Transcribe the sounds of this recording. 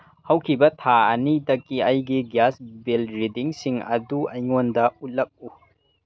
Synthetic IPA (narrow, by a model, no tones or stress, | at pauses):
hɐwkʰibɐtʰaɐnidɐkːiɐjɡiɡjasbelɾidiŋsiŋɐ̰duɐjŋondɐut̚lɐk̚u